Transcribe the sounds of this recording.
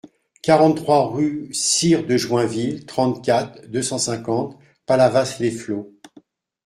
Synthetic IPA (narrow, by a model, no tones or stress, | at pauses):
kʲaʁɑ̃t̪t̪ːχwaʁysiʁd̪əʒwɛ̃vilt̪χɑ̃t̪kʲat̪χd̪øsɑ̃sɛ̃kɑ̃t̪ | palavasleflo